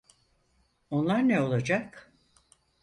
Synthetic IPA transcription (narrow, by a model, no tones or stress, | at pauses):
o̞nlˠaɾneo̞lˠad͡ʒak